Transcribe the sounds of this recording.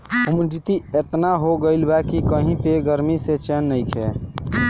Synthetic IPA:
ʊmd͡ʒit̪iet̪naɦoɡəilbɛkikəɦĩpeɡəɾmiset͡ʃeːnːəĩkʰɛ̰

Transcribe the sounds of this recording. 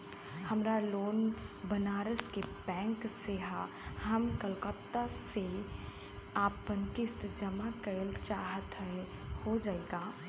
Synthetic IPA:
hɐmɾaloːnbənaːɾəskebɛ̃ːŋkseɦa | hɐmkəlkəpt̪ase | aːpənkɪst̪d͡ʒəmakəlt͡ʃaːɦət̪ɦɛ | hod͡ʒaːeːɡaː

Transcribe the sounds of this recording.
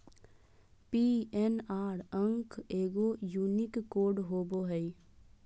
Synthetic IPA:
piɛnaːɾə̃ŋkeːɡojuːnɪkːoːɖɦoːboɦəi

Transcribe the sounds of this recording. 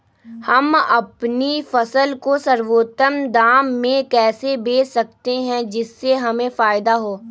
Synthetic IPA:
hɐmɐ̰pnifɐsəlkosɐɾʋoːt̪əmd̪aːmːẽkɛːsebeːsɐk̚t̪eɦɛ̃d͡ʒɪsːeɦɐmẽfaːɪd̪aɦoː

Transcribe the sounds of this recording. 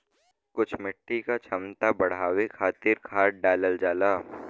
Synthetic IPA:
kʊt͡ʃʰmɪʈːikat͡ʃʰɐmt̪abɐɽ̤ɦaːwekʰaːt̪ɪɾkʰaːʈ̚ɖaːləld͡ʒaːlaː

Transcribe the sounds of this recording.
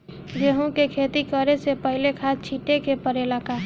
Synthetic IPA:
d͡ʒeɦõkekʰeːt̪ikəɾesepəɦɪlekʰaːst͡ʃʰiʈekepəɾelaka

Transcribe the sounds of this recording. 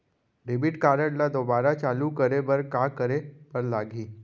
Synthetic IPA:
ɖebiʈkaɾəɽlad̪obaɾat͡ʃalukəɾebəɾkakəɾepəɾlaɡʱiː

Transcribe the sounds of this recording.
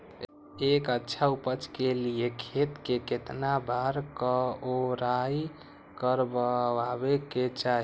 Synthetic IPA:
ekətːʃʰaupət͡ʃkeliekʰet̪keket̪nabʱaɾkəoɾaj | kəɾbəabeket͡ʃaɦ

